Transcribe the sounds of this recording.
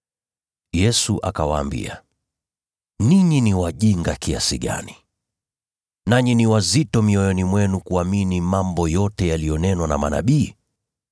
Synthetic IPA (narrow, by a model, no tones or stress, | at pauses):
jɛsuʔa̰kawaːmbḭa̰ | niɲiniwaʄiŋɡakiasiɠa̰ni | naɲiniwazitɔmiɔjɔnimwɛnukuaminimambɔjɔtɛjalijɔnɛnwanamana̰ɓiː